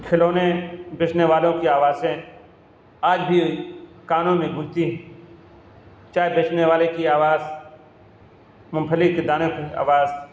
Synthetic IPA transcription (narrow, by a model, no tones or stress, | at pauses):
kʰɪloːnebet͡ʃneʋaːlõkiaːʋaːzẽ | aːd͡ʒbʱi | kaːnõmẽɡʱʊ̃lt̪iɦɛ̃ | t͡ʃaːɦebet͡ʃneʋaːlekiaːʋaːz | mʊ̃mpʰəliked̪aːnõkia̰ːʋaːz